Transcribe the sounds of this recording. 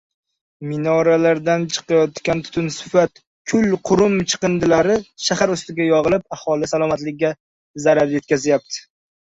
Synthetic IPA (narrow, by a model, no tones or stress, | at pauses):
mɪnɒɾalaɾd̪ant͡ʃʰɨ̥qʰɑjɒt̪kʲant̪ʰʊ̥t̪ʰʊnsɪ̥fat̪ | kʲʰʊlqʰʊɾʊmt͡ʃʰɨ̥qɨnd̪ɪlaɾɪʃahaɾʊst̪ɪɡʲajɒʁɨlˠɪp̚ahɒlˠɪsalˠɒmat̪lɪkʲːa | zaɾaɾje̞t̪̚kʲʰazjap̚t̪ʰɪ̥